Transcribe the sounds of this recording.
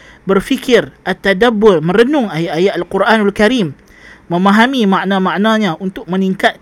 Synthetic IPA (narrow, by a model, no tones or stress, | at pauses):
bərfikɪrʔat̪ːadabʊrmə̃ɾənʊŋajaʔajaʔalkuɾʔanalkaɾimː | ə̃mãɦamimãʔnãmãʔnãɲãʔunt̪ʊk̚mə̃niŋkat̪̚